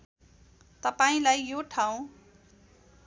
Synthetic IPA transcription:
t̪ʌpaĩlajjoʈʰaw̃

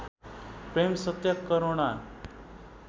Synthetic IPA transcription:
pɾemsət̪jəkːəɾoɳa

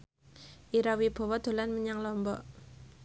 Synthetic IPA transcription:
ʔiɾawib̥ɔ̤wɔd̪̥o̤lanməɲaŋlɔmbɔʔ

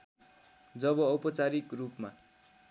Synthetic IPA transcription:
d͡zʌβʌːpʌt͡saɾikrupma

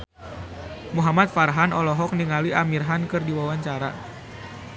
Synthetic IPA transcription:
muɦamat̪̚farɦanɔlɔɦɔk̚niŋaliamirɦankɨrdiwawaɲt͡ʃaɾa

